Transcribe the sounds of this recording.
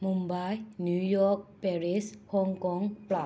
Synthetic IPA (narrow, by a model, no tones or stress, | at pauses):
mumbajnjujɔk̚pɛɹishɔŋkɔŋpla